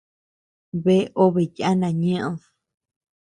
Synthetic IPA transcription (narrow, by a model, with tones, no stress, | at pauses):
βe˦ʔo˦βe˨ja˦nã˨ɲẽ˦ʔð